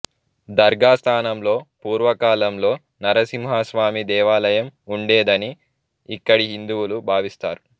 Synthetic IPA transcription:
d̪ɐɾɡaːst̪ʰaːnɐmlo̞ːpuːɾʋɐkaːlɐmlo̞ː | nɐɾɐsimɦaːsʋaːmid̪ɛːʋaːlɐjɐmuɳɖeːd̪ɐniː | kːɐɽiɦind̪uwulubʱaːʋist̪a̰ːɾu

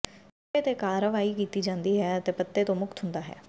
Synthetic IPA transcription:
et̪eːkaːɾəʋaːiːkiːt̪iːd͡ʒãːnd̪iːɦɛːət̪eːpət̪ːeːt̪õːmʊkt̪ɦʊnd̪aːɦɛ̰ː

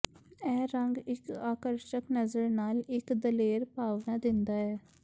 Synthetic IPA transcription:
ɛːɾəŋɡɪkaːkəɾʃəknəzəɾnaːlɪkd̪əleːɾpaːʋnaːd̪ɪnd̪aːɛː

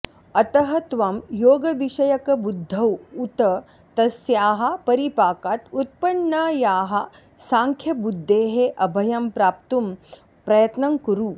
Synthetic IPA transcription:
ɐt̪ɐɦɐt̪ʋɐmjoːɡɐʋiʃɐjɐkɐbud̪ʱːɐwut̪ɐ | t̪ɐsjaːɦɐ̆pɐɾipaːkat̪ut̪̚pɐɳːɐjaːɦɐ | saːŋkʰjɐbud̪ʱːeːɦeʔɐbʱɐjɐmpɾaːp̚t̪um | pɾɐjɐt̪nɐŋkuɾu

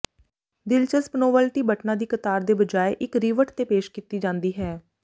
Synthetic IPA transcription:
d̪ɪlt͡ʃəspənoːʋəlʈiːbəʈnãːd̪iːkət̪aːɾd̪eːbəd͡ʒaːeʔɪkɾiːʋəʈt̪eːpeːʃkɪt̪iːd͡ʒãːnd̪iːɦɛː

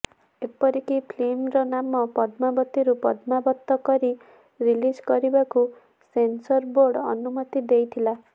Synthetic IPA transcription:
epɔɾikipʰlemɾɔnamɔpɔd̪mabɔt̪iɾupɔd̪mabɔt̪ːɔkɔɾi | ɾilid͡ʒɡɔɾibaku | sensɔɾboɾɖɔ̰numɔt̪id̪ejt̪ʰila

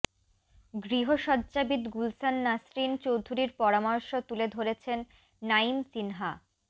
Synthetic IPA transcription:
ɡɾiɦoʃɔd̪d͡ʑabid̪ɡulsanːasɾint͡ɕowd̪ʱuɾiɾpɔɾamɔɾʃot̪uled̪ʱoɾet͡ɕʰenː | aimsinɦa

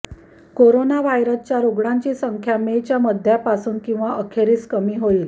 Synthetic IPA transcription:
koɾonaʋajɾəst͡ɕjaɾoɡɽaɲt͡ɕiːsəŋkʰjamet͡ɕjaməd̪ʱːjapasuːnkĩw̃ʋaʔəkʰeɾiːskəmiːɦoiːl

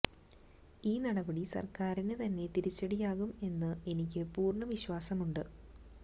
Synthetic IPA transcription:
iːnɐɽɐbɐɽisɐ̰rkaːɾinɨt̪ɐnːe̞t̪iɾit͡ɕːɐɽijaːɣume̞nːɨe̞nikʲːɨpuːrɳɐʋiɕwaːsɐmuɳɖɨ

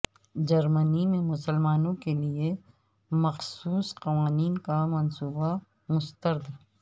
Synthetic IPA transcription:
d͡ʒɐɾmənimẽmʊsəlmaːnõkelie | mɐxsuːsqɐʋaːniːnkamɐnsuːba | mʊst̪əɾd̪

